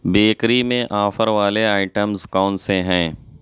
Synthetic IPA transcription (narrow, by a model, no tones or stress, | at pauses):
beːkɾimẽʔaːfəɾʋaːleaːɪʈəmzkɔːnseɦɛ̃ː